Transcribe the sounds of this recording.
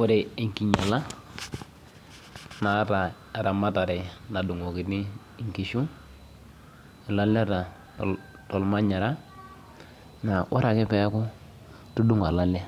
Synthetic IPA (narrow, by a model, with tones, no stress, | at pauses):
wʊ˦ɾe˨ɪ˨ŋki˨ɲa˨la˦ | na˨˦ta˨ | a˨ɾa˨ma˦ta˨ɾɛ˨na˨du˨ŋo˨kɪ˨ni˦˨ | ŋki˨ʃu˦ | ɪ˨la˦lɛ˦ta˨ | tɔ˨lma˦ɲa˨ɾa˦ | na˨wʔa˦ɾa˨kɪ˦pɛ˦kʊ˦ | tu˦du˦ŋa˨la˦la˦